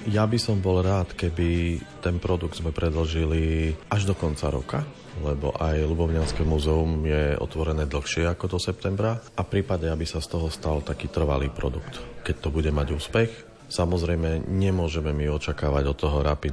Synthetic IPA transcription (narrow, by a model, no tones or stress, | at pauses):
jabisɔmbɔlɾaːt̪kɛbit̪ɛnpɾɔd̪uɡ̚d̪zmɛpɾʔɛd̪l̩ʒiliʔaʒd̪ɔkɔnt͡sa̰ɾɔ̰ka | lɛbɔ̰ʔajlubɔʊɲaskɛmuzɛumjɛɔ̰t̪ʋɔɾɛnɛːd̪l̩xʃɪɛakɔd̪ɔsɛp̚t̪ɛmbɾaʔafpɾiːpaɟɛabisast̪ɔɦɔst̪alt̪akiːt̪r̩ʋa̰liːpɾɔ̰d̪ukt̪kɛc̚t̪ɔbuɟɛmaɟuːspɛx | samɔzɾɛjmɛɲɛmʊɔʒɛmɛmiɔt͡ʃakaːʋaɟɔt̪ːɔɦɔɾapid̪